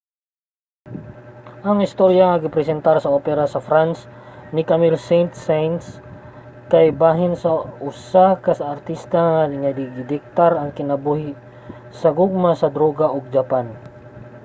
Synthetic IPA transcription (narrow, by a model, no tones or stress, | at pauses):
ʔɐŋɪst̪oɾjaŋɐɡɪpɾɛsɛnt̪aɾsɐopɛɾasɐfɾansnɪkamilsɛnt̪sajns | kajbaːɦɪnsɐʔʊsakɐsɐːɾt̪ist̪aŋanɪŋɐd̪iɡɪd̪ɪk̚t̪aɾɐŋkɪnɐbuhɪ | sɐɡʊɡ̚masɐd̪ɾoɡaʔoɡ̚d͡ʒɐpan